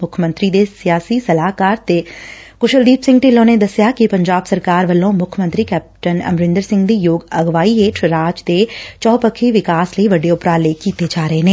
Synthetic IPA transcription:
mʊkʰəmə̃nt̪ɾid̪esijaːsisɐlaːɦkaːɾt̪ekʊʃəld̪iːpsɪ̃ŋɡ̚ʈeːlõːned̪ɐsjakipɐ̃ɲd͡ʒaːbsəɾkaːɾʋəlːõmʊkʰjəmə̃nt̪ɾikɛːp̚ʈənɐ̰mɾɪ̃nd̪əɾsɪ̃ŋɡd̪ijoːɡɐɡʋaːieːʈʰɾaːd͡ʒd̪et͡ʃɔːpəkʰːiʋɪkaːsləiʋɐɖeʊpɾaːleːkiːt̪ed͡ʒaːɾəɦeɦẽː

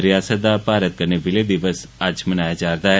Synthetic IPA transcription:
ɾjaːsət̪̚d̪apaːɾət̪̚kəɾneʋɪled̪ɪʋəsɐd͡ʒmənaːjad͡ʒaːɾd̪aːɦɛ

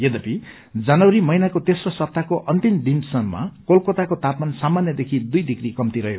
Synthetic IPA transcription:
jed̪ʌpʰi | d͡zʌnʌwɾimʌinakot̪esrʌsʌp̚t̪akoʔʌnt̪imd̪ʱimsʌnma̰kolkot̪akot̪at̪mansamanjʌd̪ekʰid̪ujd̪ʱikrikʌmt̪iɾʌɦo

